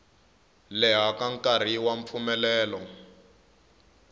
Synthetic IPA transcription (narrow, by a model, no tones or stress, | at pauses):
lɛɦakaŋkaɾ̤iwaɱp̪fʰumɛlɛːlɔ